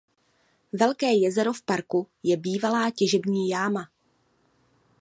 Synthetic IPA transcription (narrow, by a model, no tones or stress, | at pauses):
vɛlkɛːjɛzɛɾo̞fpaɾku | jɛbiːvalaːcɛʒɛbɲiːjaːma